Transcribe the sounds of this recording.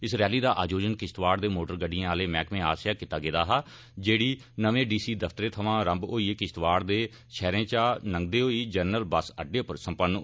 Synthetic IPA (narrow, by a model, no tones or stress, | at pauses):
ɪsɾɛːliːd̪aːʔaːd͡ʒoːd͡ʒənkɪʃt̪ʋaːɽd̪eːmoːʈəɾɡəɖijãːaːleːmɛ̃ːkmẽːa̰ːsjaːkit̪aːɡeːd̪aːɦaː | d͡ʒeːɽiː | nəʋẽːɖiːsiːd̪əpʰt̪əɾeːt̪ʰəʋãːɾəmboːiːekɪʃt̪ʋaːɽd̪eː | ʃʰɛːɾẽːt͡ʃaːnəŋɡ̚d̪eːoːiːd͡ʒəɾnəlbəsəɖːeːʊpəɾsəmpənː